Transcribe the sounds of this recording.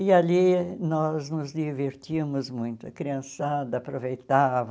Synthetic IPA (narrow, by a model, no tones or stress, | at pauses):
ɪalinɔznʊzd̪iveɾt̪imʊzmũj̃t̪ʊɐkɾiɐ̃sad̪ɐːpɾovejt̪avɐ